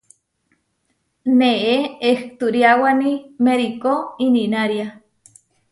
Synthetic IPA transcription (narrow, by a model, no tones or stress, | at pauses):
neʔeeht̪uɾjawanimeɾikoininaɾja